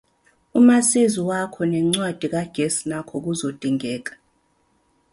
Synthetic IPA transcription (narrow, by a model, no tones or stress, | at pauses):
umasiziwakʰɔnɛŋ͡ǀwad̥ʱik̬aɡ̥ʱesi̥nakʰɔk̬uzod̥ʼʱiŋɛːk̬ḁ